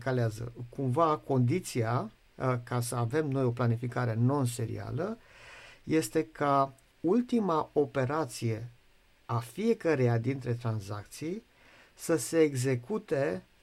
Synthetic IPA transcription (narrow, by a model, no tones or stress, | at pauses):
kaleazə̰kumvako̞nd̪it̪sia | kasəave̞mno̞jo̞planifikaɾe̞no̞ns̬e̞ɾḭa̰lə | je̞st̪e̞ka | ult̪imao̞pe̞ɾat̪sije̞ | afije̞kəɾejad̪int̪ɾe̞t̪ɾanza̰kt̪sij | səse̞ːɡze̞kut̪e̞